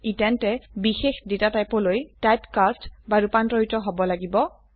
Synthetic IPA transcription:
itɛntɛbixexdetatajpɔlojtajpkastbaɹupantɹɔɦitɔɦobɔlaɡibɔ

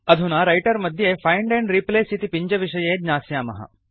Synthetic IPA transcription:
ɐd̪ʱunaːɾɐjʈɐɾmɐd̪ʱjeːfʰɐjɳɖẽɳɖɾipleːsit̪ipiɲd͡ʒɐʋiʃɐjeːd̪ɲaːsjaːmɐ̰ɦɐ̰

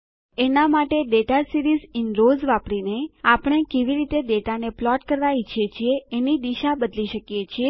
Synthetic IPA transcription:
enamaʈeɖeʈasiɾizɪnɾozʋapɽineapɽ̃ekeʋiɾit̪eɖeʈaneplɔʈkəɾʋait͡ʃʰiet͡ʃʰieːnid̪iʃabəd̪liʃəkjet͡ʃʰie

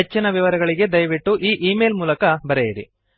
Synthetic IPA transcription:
et͡ʃːinɐʋiʋɐɾɐɡɐɭiɡe̞d̪ɐjʋiʈːuʔiːʔiːmeːlmuːlɐkɐbɐɾejiɾḭ

